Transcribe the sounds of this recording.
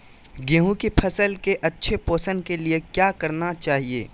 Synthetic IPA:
ɡẽːɦũkipʰɐsəlkeʔɐtːʃʰepoːsənkeliekjaːkɐɾnat͡ʃaːɦiḛː

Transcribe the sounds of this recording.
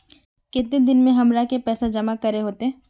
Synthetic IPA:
kɪt̪ned̪ɪnmẽɦɐmɾakepɛːsad͡ʒɐmakɐɾeɦoːt̪eɦɛ̃ː

